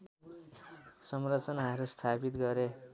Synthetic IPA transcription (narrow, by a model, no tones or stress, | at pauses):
sʌmrʌt͡sʌnaɦʌɾust̪ʰapit̪ɡʌɾe